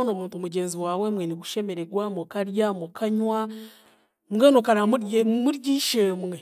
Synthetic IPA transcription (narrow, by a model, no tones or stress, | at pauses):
no̞muːntomuɟeːnziwaːwemweniɡuʃe̞me̞ɾeɡwamokaɾjamokʰaɲwa | mɡeːnokaɾamuɾɟiːʃemwe